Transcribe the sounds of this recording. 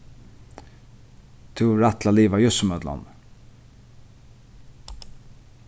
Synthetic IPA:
t̪ʰʉːɾat̪laliːvajɵsmœd̪la̰n

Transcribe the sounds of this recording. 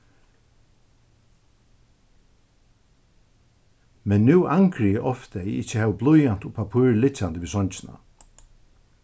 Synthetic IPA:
mɛnːʉːʔaŋkɾɪjəʔɔft̪ɛjɪt͡ʃəhɛːʋblʊjant̪ʊpʰapʰuːɹlɪt͡ɕːant̪əʋiːsɔɲt͡ɕɪna̰

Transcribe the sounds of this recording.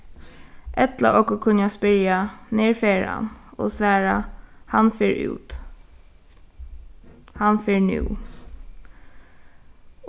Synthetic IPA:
ʔɛt̪la̰ʔɔkɔkʰʊnːjaspɪɹjaneːɹfeːɹa̰no̰ːsʋæːɹahanfeːɹʉ̰ːt̪ | hanfeːɹnʉ̰ː

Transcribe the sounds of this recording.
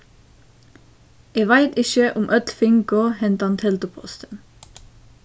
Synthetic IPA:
eːʋæɪt̪ɪʃəʔʊmʔœt̪fɪŋkoːhɛnt̪ɑnt̪ʰɛlt̪əpʰɔ̰st̪ən

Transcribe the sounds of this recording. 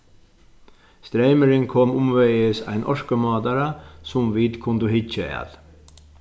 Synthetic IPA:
st̪ɾeɪməɾɪŋkʰɔmʊmʋeɪəsæ̰ɪnʔɔʂkəmɑːd̪ɑɾɑsʊmʋiːd̪kʰʊnd̪əhɪt͡ʃəæ̰l

